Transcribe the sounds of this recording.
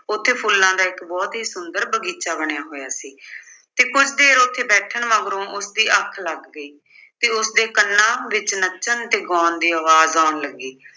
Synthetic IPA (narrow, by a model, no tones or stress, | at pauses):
ʊt̪ʰːeːpʰulːãːd̪aːɪkbɔːt̪ɦiːsʊnd̪əɾbəɡiːt͡ʃaːbəɽjaːɦoːjaːsiː | t̪eːkʊt͡ʃʰd̪eːɾot̪ʰːeːbɛːʈʰəɳməɡɾõːʔʊsd̪iːʔəkʰləɡːəiː | t̪eːʊsd̪eːkənːãːʋɪt͡ʃnət͡ʃənt̪eːɡɔːnd̪iːaːʋaːzaːɳləɡːiː